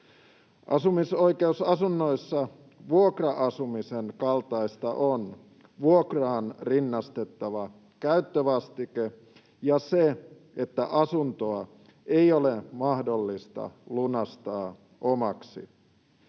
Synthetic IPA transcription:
ʔɑsumiso̞ike̞usɑsunːo̞isːɑ | ʋuokrɑʔɑsumisenkɑlt̪ɑist̪ɑʔon | ʋuokrɑːnrinːɑst̪e̞t̪ːɑʋɑ | kæyt̪ːøʋɑst̪ike | jɑse | et̪ːæʔɑsunt̪oɑ | e̞jolemɑhdo̞lːist̪ɑ̰lunɑst̪ɑː | ʔomɑksḭ

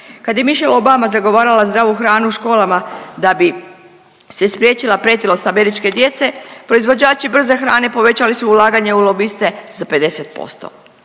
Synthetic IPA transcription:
kad̪je̞miʃelo̞bamazaɡo̞ʋaːɾalazd̪ɾaːʋuxɾaːnuuʃko̞ːlˠamad̪abi | sespɾjeːt͡ʃilˠapɾet̪ilo̞st̪ame̞ɾit͡ʃke̞d̪je̞t̪se̞pɾo̞izʋo̞d͡ʑaːt͡ʃibr̩ze̞xɾa̰ːne̞po̞ʋe̞t͡ɕalisuːlˠaːɡaɲe̞ulˠo̞bist̪e̞zape̞d̪e̞se̞t̪̚po̞̰st̪o̞̰

